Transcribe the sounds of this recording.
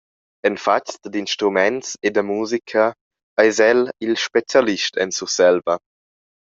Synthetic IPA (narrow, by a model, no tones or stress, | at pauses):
ɛnfat͡ʃdd̪inʃtɾumɛntsed̪əmuːzikʰə | ajzɛlilʃpet͡sjaliʃtʰɛ̰nsusɛlvə